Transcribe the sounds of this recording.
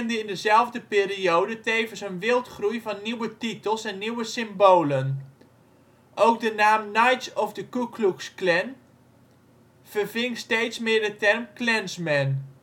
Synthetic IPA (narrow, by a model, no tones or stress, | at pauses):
ndəɪndəzɛlˠvdəpɪːriowdəteːvənsənʋɪlˠtχrujvɑnːiwətitəlˠsɛnːiwəsɪmboːlən | ʔowk̚dənaːmnajtsɔfdəkukluksklɛn | v̥ərvɪŋstejtsmɪːɹdətɛrmklɛnsmɛn